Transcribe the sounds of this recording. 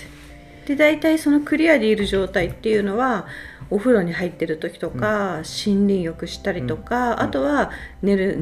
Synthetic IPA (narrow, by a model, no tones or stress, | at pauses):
d̪̥e̞d̪ait̪aiso̞no̞kɯ̟ɾʲiad̪e̞iɾɯ̟ʑo̞ːt̪ait̪ːe̞jɯ̟ːno̞βao̞ɸɯ̟ɾo̞ɲ̟iɦait̪ːe̞ɾɯ̟t̪o̞kʲi̥t̪o̞kaɕĩnɾʲĩɰjo̞kɯ̟ɕi̥t̪aɾʲit̪o̞kaat̪o̞βane̞ɾɯ̟